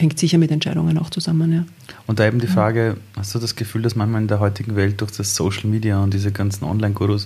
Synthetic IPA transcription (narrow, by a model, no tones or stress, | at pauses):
hɛŋktsɪçɐmɪtɛntt͡ʃa̰ɪɾʊ̰ŋəna̰ʊxt͡suzamənjaː | ʊ̃nt̚d̥aːeːbm̩diːfʁaːɡəhastd̥uːdasɡ̥əfyːldasmãnçmaːlɪndeːɐɦɔʏtɪɡŋ̩vɛlt̚d̥ʊɐxd̥asːoːʃl̩miːdiaʊnt̚d̥iːzəɡant͡sn̩ʔɔ̰nlaɪnɡuːɾos